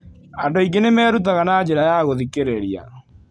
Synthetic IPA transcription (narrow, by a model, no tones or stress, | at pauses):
andoiɡenemɛːɾut̬aɣanaːd͡ʑeɾajaɣoðikeɾeɾia̰